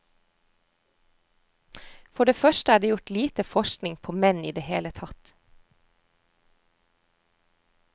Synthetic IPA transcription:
fɔɖeːfœʃtəæːɖeːjʊʈliːt̪əfɔʃknɪŋpʰoːmɛnḭːd̪eːheːlət̪ʰɑt̪

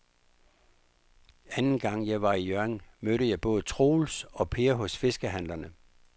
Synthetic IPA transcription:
ænn̩ɡ̥ɑ̈ŋ̰jɑ̈ɪʋɑ̈ijøɐeŋmøɾəjɑ̈ɪb̥ɔ̽ːð̞̩ˠt͡sʰʁo̝ːlsɒ̽pʰe̝ːɐɦɔ̽sfe̝sɡ̥əɦæn̰lɐnə

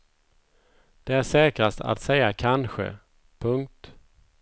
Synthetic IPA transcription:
d̪̥ɛæʂɛːkɾast̪ʰa̰t̪sɛjːakʰanɧə̰ | pʰɵŋk̚t̪

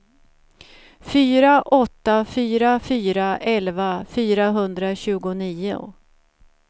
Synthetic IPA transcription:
fyːɾaʔɔt̪ːafyːɾafyːɾaʔɛlvafyːɾaɦɵnd̪ɾaɕʉ̟ːɡʊniːʊ̰

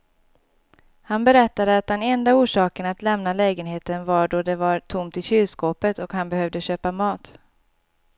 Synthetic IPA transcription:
hanbɛɾɛt̪ːad̪əat̪̚d̪ɛnɛnd̪auːʂɑːkənat̪lɛmnalɛːɡənɦeːt̪ənvaɖɔd̪ɛvaɾt̪ʰʊmt̪ɪlɕyːskoːpət̪ɔkhanbɛhœvd̪əɕøːpamɑːt̪

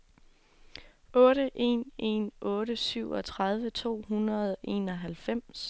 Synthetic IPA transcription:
ʔɔ̽ːɾəʔe̝̰ːnʔe̝̰nʔɔ̽ːɾəsyʊ̰ɒ̽t͡sʰʁaðˠʋət͡sʰo̝̰ːɦunɐð̞̩ˠʔe̝ːnɒ̽ɦælfem̰s

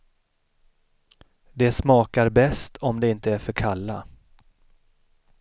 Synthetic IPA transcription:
d̪ɛsmɑːkaɾbɛst̪ʰɔmd̪ɛɪnt̪əæɾfœɾkʰalːa

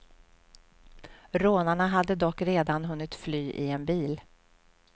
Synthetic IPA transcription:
ɾoːnaɳaɦad̪ːəd̪ɔkːɾeːd̪anɦɵnːɪt̪flyːʔɪ̰ɛnbiːl

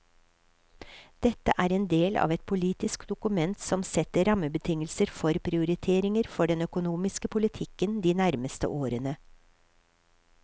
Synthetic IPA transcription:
d̪̥ɛt̪ə̰ʔæːɾeːnd̪eːlɑ̰ːʋɛt̪̚pʰʊliːt̪ɪskd̪ʊkʉmɛnt̪sɔmsɛt̪əɾɑməbət̪ʰɪŋəlsəɾfɔɾpʰɾɪʊɾɪt̪ʰeːɾɪŋəɾfɔɖɛnœkʊnuːmɪskəpʰʊlɪt̪ʰɪkənd̪iːnæɾməst̪ə̰ʔoːɾənə

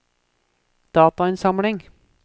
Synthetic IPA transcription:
d̪̥ɑːt̪ɑɪnsɑmɽɪŋ

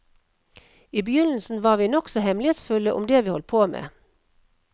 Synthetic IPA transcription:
iːbəjʏnl̩sn̩ʋɑːʁʋiːnɔksɔhɛmlɪheːt̪sfʉləʔʊ̰md̪eːʋiːhɔlt̪̚pʰoːmḛː

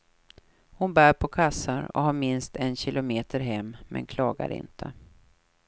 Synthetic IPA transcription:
hʊnbæːɾpʰɔkʰasːaɾɔ̰ɦaɾmɪnst̪ɛnɕɪlʊmeːt̪ʰəɾɦɛmːʔɛ̰nkʰlɑːɡa̰ɾɪ̰nt̪ʰə

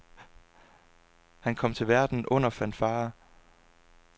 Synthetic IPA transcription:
hænkʰɒ̽m̰t͡sʰe̝lʋæɐd̥n̩ʔɔ̽n̰ɐfæn̰d̥fɑ̈ː

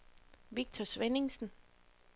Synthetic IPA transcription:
ʋiɡ̥̚t͡sʰɒsʋene̝ŋsn̩

